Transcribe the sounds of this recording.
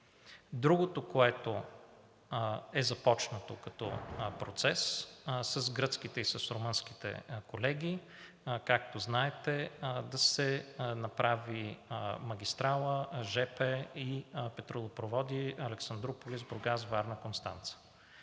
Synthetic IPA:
d̪ɾuɡot̪okoɛt̪o | ɛzɐpɔt͡ʃnət̪okɐt̪ɔ̰pɾot̪sɛssəzɡɾɤt̪skit̪ɛisəsɾomɤnsk̟i̥t̪ɛ̰kolɛɡʲi | kak̚t̪oznaɛt̪ɛd̪ɐsɛnɐpɾavimɐɡʲist̪ɾalˠəʒɛpɛipɛt̪ɾolˠopɾovɔd̪iɐlɛksɐnd̪ɾopolizboɾɡazvaɾnəkonst̪ant̪sə̥

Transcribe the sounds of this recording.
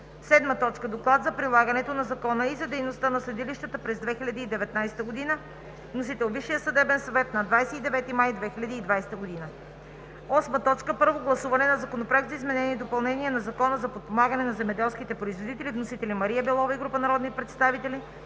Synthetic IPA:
sɛd̪mət̪ɔt͡ʃkəd̪oklˠad̪zɐpɾilˠaɡɐnɛt̪onɐzɐkɔnəizɐd̪ɛjnost̪ənɐslɛd̪iliʃt̪ət̪əpɾɛzd̪vɛxilʲɐd̪iːd̪ɛvɛt̪najsɛ̥t̪əɡod̪inə | vnos̬it̪ɛlˠviʃːijəsɐd̪ɛbɛnsɐvɛt̪nɐd̪vajsɛid̪ɛvɛt̪imajd̪vɛxilʲɐd̪iːd̪vajsɛ̥t̪əɡod̪inə | ɔsmət̪ɔt͡ʃkəpɤɾvoɡlˠɐsuvɐnɛnɐzɐkonopɾak̚t̪zɐizmɛnɛniɛd̪opɐlˠnɛniɛnɐzɐkɔnəzɐpot̪̚pomaɡɐnɛnɐzɛmɛd̪ɛlˠskit̪ɛpɾoizvod̪it̪ɛlivnosit̪ɛlimɐɾiɛbɛlˠɔvɐiɡɾupənɐɾɔd̪nipɾɛt̪st̪avit̪ɛli

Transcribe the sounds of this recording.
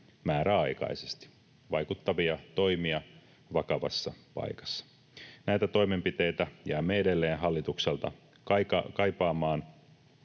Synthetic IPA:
mæːɾæɑjkɑ̰ise̥st̪i̥ | ʋɑjkut̪ːɑʋiɑt̪o̞imiɑ | ʋɑkɑʋɑ̰sːɑpɑ̰jkɑ̥sːɑ̥ | næjt̪æt̪o̞jme̞mpit̪e̞jt̪æjæːmːeede̞lːe̞ːnɦɑlːit̪ukselt̪ɑ̰ | kɑkɑkɑjpɑːmɑːn

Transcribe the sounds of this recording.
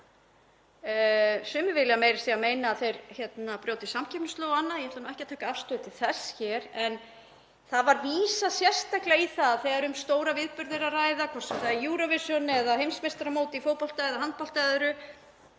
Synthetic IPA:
sʏːmɪvɪljameːjɾɪ̥ɾ̥θiameːjnaːθejɾçɛt̪napɾjoːwt̪ɪsamcʰɛpnst̪loːwɣanːaðjɛhɛɾt̪anumɛhcɪat̪ʰaːkaafst̪ʏðʏt̪ʰɪl̥θɛsçɛɾɛn | θaðvaɾviːsasjɛr̥st̪aklaiθaðθɛɣaɾʏmst̪oːwɾavɪðpʏɾðɪɾaraːjðakʰvɔr̥sɛmθaijuːɾɔvɪsjɔnɛðahejmsmest̪ɾamoːwt̪ɪifoːwpɔl̥t̪aɛðaɦant̪̚pɔlt̪ajðʏɾʏ

